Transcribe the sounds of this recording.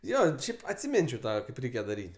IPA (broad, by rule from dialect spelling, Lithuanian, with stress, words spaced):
ˈjoː ˈʃʲɛɪp ɐtʲsʲɪˈmʲɪnʲt͡ʃʲɛʊ ˈtɑː ˈrʲɛɪkʲɛ dɐˈrʲiːtʲ